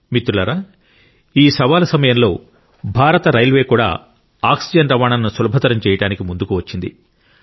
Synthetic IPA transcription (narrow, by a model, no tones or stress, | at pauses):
mit̪ɾulɐɾaː | iːsɐʋaːlɐsɐmɐjɐmlo̞ː | bʱaːɾɐt̪ɐɾɐjlʋe̞ːkuːɽa̰ː | aːksid͡ʒɐɳʈɾɐmaːnaːnːusulɐbʱɐt̪ɐɾɐmt͡ʃɛːjɐɽaːnikimund̪ukuʋɐt͡ʃːind̪ḭ